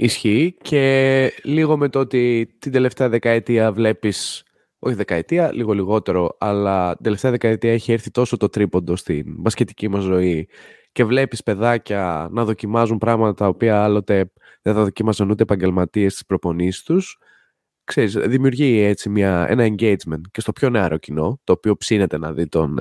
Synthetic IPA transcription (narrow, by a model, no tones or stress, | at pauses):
isçice̞liɣo̞me̞t̪oot̪it̪ind̪e̞le̞ft̪eɐðe̞kɐet̪iɐvle̞pis | o̞çiðe̞kɐet̪iɐliɣo̞liɣo̞t̪e̞ɾo̞ɐlɐt̪ind̪eleft̪eɐðe̞kɐet̪iɐeçieɾθit̪o̞so̞t̪o̞t̪ɾipo̞nd̪o̞st̪ḭnbɐsce̞t̪i̥cimɐzːo̞i | ce̞vle̞pispe̞ðɐcɐnɐðo̞cimɐzumpɾɐɣmɐt̪ɐt̪ɐopiɐɐlo̞t̪e̞ | ðeθɐðo̞cimɐsɐnut̪eepɐɲɟe̞lmɐt̪ie̞st̪i̥spɾo̞po̞nisi̥st̪us | kse̞ɾisðimiuɾʝie̞t͡simɲɐḛnɐe̞ɲɟe̞jd͡zme̞nt̪cest̪o̞pço̞neɐɾo̞cino̞t̪o̞ːpio̞psine̞t̪e̞nɐ̰ðit̪o̞̰n